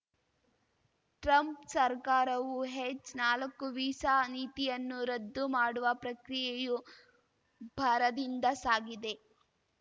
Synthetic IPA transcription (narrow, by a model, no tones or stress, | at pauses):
ʈɾɐmpsɐɾkaːɾɐʋuɦet͡ʃːnaːlɐkːuʋiːsaːniːt̪ijɐnːuɾɐd̪ːumaːɽuʋɐpɾɐkɾijeju | bʱɐɾɐd̪ind̪ɐsaːɡid̪e̞